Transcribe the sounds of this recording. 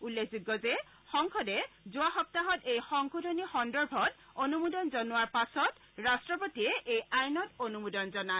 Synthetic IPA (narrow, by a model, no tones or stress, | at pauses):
ulːekʰziɡːɔzɛ | xɔŋkʰɔdɛzʊaxɔp̚taɦɔtejxɔŋkʰudʱonixɔndɔɹbʱɔt | onumudɔnzɔnʊwaɹpasɔt | ɹastɹɔpotiɛʔejajnɔtonumudɔnzɔna